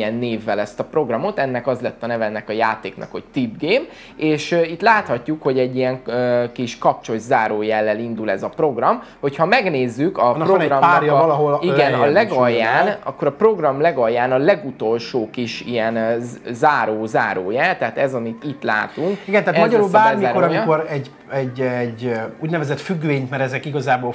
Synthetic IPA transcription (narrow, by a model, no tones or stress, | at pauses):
ɛnːeːvːɛlɛst̪ɒpro̞ɡrɒmo̞t̪ɛnːɛkɒzlɛt̪ːɒnɛvɛlnɛkɒjaːt̪eːknɒ̰kho̞ct̪ibɡeːm | eːʃøit̪laːt̪hɒcːukho̞ɟɛɟːijɛŋøkiʃkɒp̚t͡ʃo̞zaːɾoːjɛlːɛlind̪ulɛzɒpro̞ɡrɒm | ho̞chɒmɛɡneːzːykɒproɡrɒmajlɒɦoliɡɛnɒlɛɡɒjːaːnnɒ̰kːo̞ɾɒpro̞ɡrɒmlɛɡɒjːaːnɒlɛɡut̪o̞lʃoːkiʃijɛnzaːɾoːzaːɾoːjɛlt̪ɛɦaːt̪ɛzɒmit̪it̪la̰ːt̪uŋkiɡɛnt̪ɛɦatmɒɟɒɾulbaːrmikoɾɒmioɾɛɟ | ɛɟɛɟuːɟnɛvɛzɛt̪fyɡveːɲt̪mɛɾɛzɛkiɡɒzaːboː